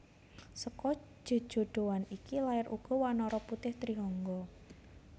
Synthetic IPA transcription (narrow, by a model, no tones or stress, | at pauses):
səkɔ̥ | d͡ʒ̥o̤̥ʒ̥o̤ɖ̪̥o̤wanikilaɪɾʔuɡ̥ɔ̤wanɔɾɔput̪ɪht̪ɾiɦɔŋɡɔ